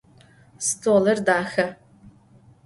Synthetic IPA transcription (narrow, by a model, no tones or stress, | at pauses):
stʰoːlɐrdaːxɐ